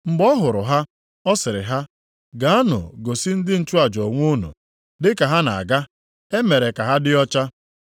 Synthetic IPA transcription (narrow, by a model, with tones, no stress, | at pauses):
ŋ͡m̩˨ɡ͡bɔ˦ɦʊ˨ɾʊ˨ɦa˦ | ɔ˦sɪ˨ɾɪ̰˨ɦa˦ | ɡa˨a˦nʊ̰˨ɡo˨si˦n̩˦dɪ˦n̩˨t͡ʃu˦a˨d͡ʒɔ˨ŋʷ˦u˦nṵ˨ | dɪ˦ka˨ɦa˦na̰˨a̰˨ɡa˦ | e˦me˨ɾe˨ka˨ɦa˦dɪ˦ɔ˦t͡ʃa˦